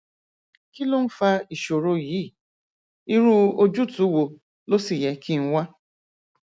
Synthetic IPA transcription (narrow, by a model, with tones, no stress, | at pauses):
ki˦lu˦m̩˦fa˦i˨ʃo˨ɾo˦ji˨˦˨ | i˦ɾu˦o˦d͡ʒu˦tu˨˦wo˨ | lo˦si˨jɛ˨kʰi˦ŋ̩˦wʷa˦